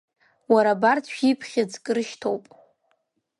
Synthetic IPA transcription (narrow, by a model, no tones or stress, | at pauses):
waɾabartʰʃipʰχʲad͡zkʼɨɾɨʃtʰowpʼ